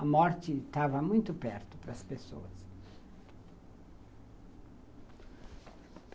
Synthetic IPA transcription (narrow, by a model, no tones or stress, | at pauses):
ɐmɔɾt͡ʃɪt̪avɐmũj̃t̪ʊpɛɾt̪ʊpɾɐspeso̰ɐs